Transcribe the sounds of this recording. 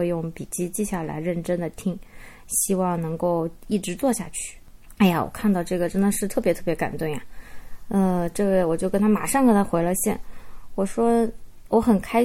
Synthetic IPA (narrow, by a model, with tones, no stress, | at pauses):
e˥˧jʊ˥˩ŋpi˨˩t͡ɕi˥t͡ɕi˥˧ɕa˥˩la̰˧˥ɪɻə˥˩nʈ͡ʂə˥nd̪ə˨t̪ʰi˥ŋ | ɕi˥wɑ˥˩ŋnɤ˧˥ŋko˥˧ʊi˥˩ʈ͡ʂɻ̩˧˥t͡swɔ˥˧ɕja̰˥˧t͡ɕʰy̥˥˩ | a˥ɪja̰˨wɔ̰˨˩kʰa˥˧nt̪ɑ˥˧ʊʈ͡ʂɤ˥˩ɡə˩ʈ͡ʂə˥nd̪ə˨ʂɻ̩˥˧t̪ʰɤ˥˩pjt̪ʰɤ˥˩pjɛ˧˥ka̰˨˩nt̪wʊ˥˩ŋja˨˩ə˥˧ʈ͡ʂɤ˥˧we˥˩ɪwɔ˨˩t͡ɕjo˥˩ʊkə˥nt̪ʰa˥ma̰˨˩ʂɑ˥˧ŋk̪ə˥na˧˥xwe˧˥ɪlə˧ɕjɛ̰˥˩nwɔ˨˩ʂwɔ˥ | wɔ˧˥xə˨˩nkʰa˥ɪ